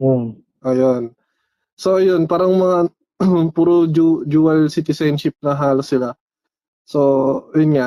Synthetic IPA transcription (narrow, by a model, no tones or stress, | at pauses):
o | ʔɐjon | soʔɐjonpaːɾɐŋmɐŋa | puːɾod͡ʒud͡ʒuːɐlsit̪ɪsajnʃɪp̚nɐɦaːlosːɪla | sojʊnŋaʔ